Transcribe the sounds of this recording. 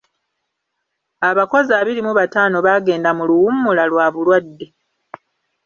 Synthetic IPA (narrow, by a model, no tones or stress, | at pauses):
aβako̞zaːβiɾimuβataːno̞βaːɡe̞ːndamuluwumːulalwaːβulwadːe̞